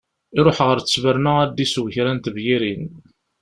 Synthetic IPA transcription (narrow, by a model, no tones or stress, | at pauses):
iɾˤoħʁəɾt͡səsvəɾnææd̪ːiswçɾænt̪vjiɾin